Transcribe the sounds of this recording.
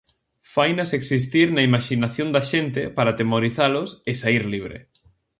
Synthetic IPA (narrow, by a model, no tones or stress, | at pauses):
fajnaseksis̬t̪iɾnɐimaʃinaθjond̪aʃent̪epaɾat̪emoɾiθalʊsesaiɾliβ̞ɾḛ